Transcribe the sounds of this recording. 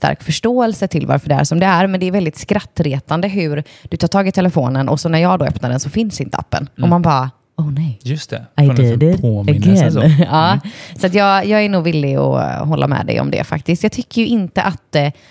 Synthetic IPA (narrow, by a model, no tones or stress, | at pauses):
st̪ʰa̰ɾkfœʂʈoːɛlsət̪ʰɪlva̰ɾfœɖɛæ̰ɾʂɔmd̪ɛæɾmɛnd̪ɛːɾvɛld̪ɪt̪skɾat̪ːɾeːt̪and̪əɦʉɾd̪̥ɵt̪ʰɑːʈ̪ʰɑːɡɪt̪ʰɛləfoːnənʔɔ̰ksɔnæɾjɑːɡd̪oːœpnaɖɛnsɔfɪnsɪnt̪əa̰pːə̰nʔɔmanbɑːa | ɔːnɛjjɵst̪ʰɛad̪ʰoːmɪn | ɑːsat̪jɑːjɑːɡænuːɡvɪlːɪɔ̰ɦɔlːa̰mɛ̰d̪ɛ̰jɔ̰md̪ɛ̰fa̰k̚t̪ɪskt̪jɑːɡt̪ʰʏkːəɾjɵʔɪnt̪əʔat̪̚d̪ɛ